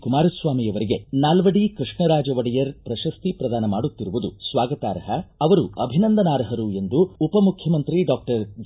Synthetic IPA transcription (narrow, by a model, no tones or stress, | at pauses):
kumaːɾɐsʋaːmijɐʋɐɾiɡe̞naːlʋɐɽikɾiʂɳɐɾaːd͡ʒɐʋɐɽɐjɐɾpɾɐʃɐst̪ipɾɐd̪aːnɐmaːɽut̪ːiɾuʋud̪usʋaːɡɐt̪a̰ːɾɐɦɐɐʋɐɾuɐbʱinɐnd̪ɐnaːɾɐɦɐɾue̞nd̪uːpɐmukʰjɐmɐnt̪ɾiɖaːk̚ʈɐɾd͡ʒ